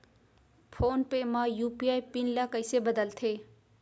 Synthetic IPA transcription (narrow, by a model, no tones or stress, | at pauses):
pʰoːnpemãjuːpiaːipɪnlakəɪsebəd̪əlt̪ʰeː